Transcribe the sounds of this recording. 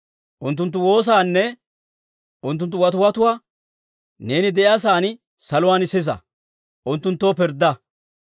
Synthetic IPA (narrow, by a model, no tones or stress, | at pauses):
ʔʊnt̪̬ːʊnt̪ːʊwo̞ːs̬aːnːɛ | ʔʊnt̪ːʊnt̪ːʊwɐt̪ʊwɐt̪ʊwaː | ne̞ːnɪd̪ɛʔɐs̬aːn | sɐlʊwaːnɪsɪs̬ɐ̰ | ʔʊnt̪ːʊnt̪ːoːpɪɾd̪ɐ